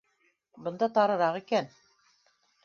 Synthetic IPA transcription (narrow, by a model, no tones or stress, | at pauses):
bɤ̆nd̪ɑt̪ɑɾɤ̆ɾɑʁikæn